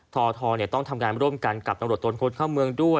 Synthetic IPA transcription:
t̪ʰɔː˧t̪ʰɔː˧ni˥˩ɐt̪ɔ˥˩ŋt̪ʰa˧mŋaː˧nɾu˥˩əmka˧nka˨˩p̪̚a˧ɾu˨˩t̪ːo˧nkʰo˧nkʰaː˥˩wmɯ˧əŋdu˥˩ə

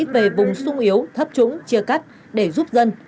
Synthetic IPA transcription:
ve˨˩vʊ˨˩ŋ͡msʊ˧ŋ͡mʔi˨˦əwt̪ʰə˦˥p̚t͡ɕʊ̰˧˥ŋ͡mt͡ɕi˧əka˦˥jk̚ | ɗe˧˩zu˦˥p̚zə˧n

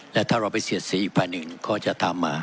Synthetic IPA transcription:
lɛ˦˥wt̪ʰaː˥˩ɾa˧˩wpa˧˨jsi˨˦ət̪̚siː˨˦ʔiː˨˩k̚pʰaː˧jnɯ˨˩ŋkʰɔː˥˩t͡ɕa˨˩t̪ʰaː˧mːaː˧˩

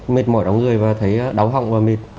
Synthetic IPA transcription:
mi˨˩t̚mɔ̰˧˩jɗa˨˦wŋɨ˨˩əjvaː˨˩t̪ʰə˨˦jɗa˨˦wɦa̰˧˨wŋ͡mvaː˨˩mi˨˩t̚

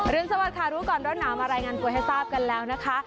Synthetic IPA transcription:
ɾɯ˧ənsa˧wa˨˩t̪̚kʰaː˨˩ɾuː˦˥kɔː˨˩nɾo˦˥t̪n̚naː˩˦wmaː˧ɾaː˧jŋaː˧nt̪u˧əɦa˥˩jsaː˥˩p̚ka˧nlɛː˦˥wna˦˥kʰa˦˥

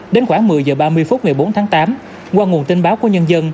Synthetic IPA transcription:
ɗe˨˦nxwaː˧˩ŋmɨ˨˩əjzəː˨˩ɓaː˧mɨ˧əjfu˦˥t̚ŋa˨˩jɓo˨˦nt̪ʰaː˨˦ŋt̪aː˨˦m | kwaː˧ŋu˨˩ənt̪i˧nɓaː˨˦wku˧˩əɲə˧nzə˧n

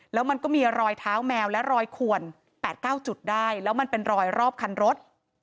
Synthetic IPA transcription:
lɛː˦˥wma˧nkɔː˥˩miː˧ɾɔː˧jt̪ʰaː˦˥wmɛː˧wlɛ˦˥ɾɔː˧jkʰu˨˩ən | pɛː˨˩t̪̚kaː˥˩wt͡ɕu˨˩t̪̚daː˥˩jlɛː˦˥wma˧npe˧nɾɔː˧jɾɔː˥˩p̚kʰa˧nɾo˦˥t̪̚

